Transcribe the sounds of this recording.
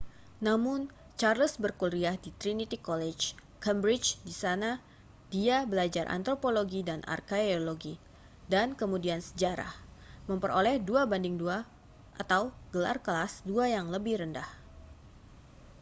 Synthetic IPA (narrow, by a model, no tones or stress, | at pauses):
namʊn | t͡ʃarləsbərkulɾiahdit̪ɾinit̪ikolɛt͡ʃ | kambɾɪt͡ʃdisana | d̥iabəlad͡ʒarʔa̰nt̪ɾopoloɡidanʔa̰rkeoloɡi | dankəmudiansə̥d͡ʒaɾa̰hməmpərolɛhduabandɪŋdua | ʔat̪awɡ̥əla̰rkəlasduajaŋləbɪhɾəndah